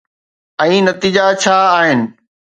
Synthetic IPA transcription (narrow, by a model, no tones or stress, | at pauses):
ɛ̃ːnɐt̪iːd͡ʑat͡ɕʰaːaːɦɪnɪ̆